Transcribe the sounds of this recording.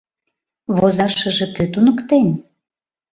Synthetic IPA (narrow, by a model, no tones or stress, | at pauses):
βozɑʃə̆ʒĕkøt̪unə̆kt̪en